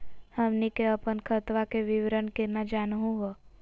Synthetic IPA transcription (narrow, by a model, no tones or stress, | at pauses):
həmnikeəpənkʰət̪ʋakeʋɪʋɾənkenad͡ʒaːnɦũɡo